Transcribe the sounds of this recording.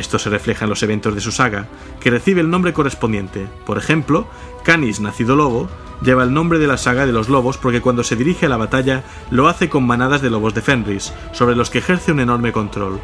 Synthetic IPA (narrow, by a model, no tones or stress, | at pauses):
est̪o̞se̞re̞fle̞xanlo̞seβe̞nt̪o̞zðe̞susaɣa | ke̞re̞θiβ̞eːlnõmbɾe̞ko̞re̞spond̪je̞̰nt̪e̞po̞ɾexe̞mplo | kaniznaθiðolo̞β̞o | ʎe̞β̞aelnõmbɾeð̞elasaɣ̞aðe̞lo̞zlo̞β̞o̞spo̞ɾkekwand̪o̞se̞ðiɾixealaβ̞at̪aʎa | lo̞aθe̞ko̞mːanaðazðelo̞β̞o̞zðe̞fe̞nrisːo̞β̞ɾe̞lo̞skeːxe̞ɾθe̞une̞no̞ɾme̞ko̞nt̪ɾo̞l